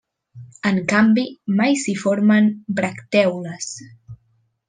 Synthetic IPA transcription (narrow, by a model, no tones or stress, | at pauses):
əŋkambimajsifoɾmənbɾəkt̪ɛwləs